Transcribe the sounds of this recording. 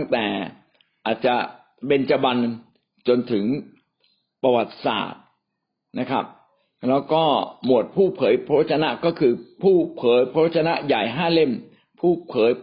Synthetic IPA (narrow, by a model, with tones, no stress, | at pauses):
ŋt̪ɛː˨˩ | ʔaː˨˩t̪̚t͡ɕa˨˩ | pe˧nt͡ɕa˧ba˧n | t͡ɕo˧nt̪ʰɯ˩˦ŋ | pa˧wa˨˩t̪̚sa̰ː˨˩t̪̚ | na˦˥kʰa˦˥p̚ | lɛː˦˥wkɔː˥˩mu˨˩ət̪̚pʰuː˥˩pʰɤː˩˦jpʰa˦˥wa˥t̪̚ʰa˧na˦˥kɔː˥˩kʰɯː˧pʰuː˥˩pʰɤː˨˩˦jpʰa˧˦˥wa˥t̪̚t͡ɕʰa˧na˦˥ʔja˨˩jɦaː˥˩le˥˩m | pʰuː˥˩pʰɤː˩˦j